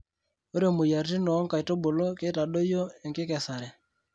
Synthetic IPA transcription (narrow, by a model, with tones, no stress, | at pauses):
o˦ɾe˦˨mo˨ja˨ɾti˦nɔː˨˦ŋka˨i˨to˦bo˨lo˦ke˦ta˨ɗo˦jo˦e˨ŋkɪ˦kɛ˨sa˨ɾɛ˨